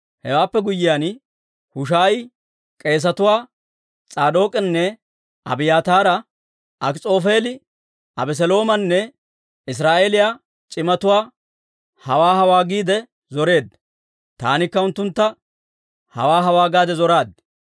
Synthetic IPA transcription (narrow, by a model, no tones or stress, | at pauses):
hɛwaːpːɛɡʊjːɪjaːn | hʊʃaːj | kʼe̞ːs̬ɐt̪ʊwaː | t͡sʼaːd̪o̞ːkʼɛnːɛ | ɐ̰bɪjaːt̪aːɾɐ | ɐkt͡sʼo̞ːfe̞ːlɪ | ɐbɛs̬ɛlo̞ːmɐnːɛ | ɪs̬ɾaːʔeːlɪjaː | t͡ʃʼɪmɐt̪ʊwaː | hɐwaːɦɐwaːɡiːd̪ɛ | zɔɾe̞ːd̪ | t̪a̰ːnɪkːɐʊnt̪ːʊnt̪ːɐ | hɐ̰waːɦɐwaːɡaːd̪ɛzɔɾaːd̪̚